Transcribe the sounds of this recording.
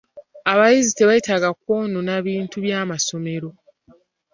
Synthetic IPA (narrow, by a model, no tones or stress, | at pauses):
aβajizite̞βajitaɡak̚woːnonaβiːntuβjaːmaso̞me̞ɾo̞